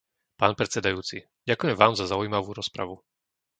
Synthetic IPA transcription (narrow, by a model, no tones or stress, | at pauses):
paːnpɾɛt̪sɛd̪ajuːt͡si | ɟakujɛmʋaːmzazaʊjmaʋuːɾɔspɾa̰ʋu